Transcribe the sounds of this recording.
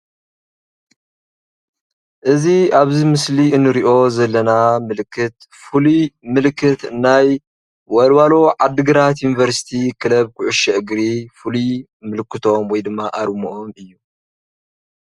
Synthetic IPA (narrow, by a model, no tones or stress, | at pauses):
ʔɨziaβzimɨsliɨnːɨɾiʔo̞zɐlːɐnamɨlɨkʰːɨt̪ | fulimɨlkʰːɨt̪ɨnːaj | wɐlwalo̞ʕad̪ːɨɡɨɾat̪̬junivɐɾsi̥t̪ʰikʰɨlɐβkʰʊʕʊʃɛʔɨɡɾifuli | mɨlɨkːɨt̪ʰo̞mwɔjd̪ɨmːaʔaɾmuʔomɨjːu